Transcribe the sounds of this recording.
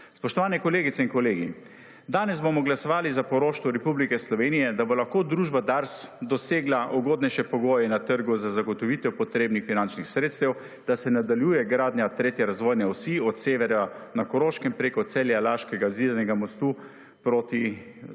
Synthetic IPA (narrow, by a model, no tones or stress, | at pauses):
spɔʃt̪ɔʋaːnɛkɔleːɡit̪sɛinkɔleːɡḭ | d̪aːnɛzbomɔɡlasɔʋaːlizapɔɾoːʃt̪ʋɔɾɛpublikɛslɔʋeːnijɛd̪abolaxkoːd̪ɾuːʒbad̪aɾsd̪ɔseːɡlaʔɔɡoːd̪nɛjʃɛpɔɡoːjɛnat̪əɾɡuzazaɡɔt̪ɔʋiːt̪ɛwpɔt̪ɾeːbnixfinant͡ʃnixsɾeːt̪st̪ɛw | d̪̥asɛnad̪aljuːjɛɡɾaːd̪njat̪ɾeːt̪jɛɾazʋoːjnɛɔsiɔt̪seːʋɛɾanakɔɾoːʃkɛmpɾekɔt̪sɛljalaʃkɛɡaziːd̪anɛɡamɔst̪u | pɾoːt̪i